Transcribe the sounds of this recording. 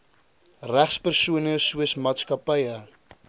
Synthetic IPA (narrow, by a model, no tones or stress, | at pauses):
ræχspərsuənəsuəsmɑːtskɐpəjə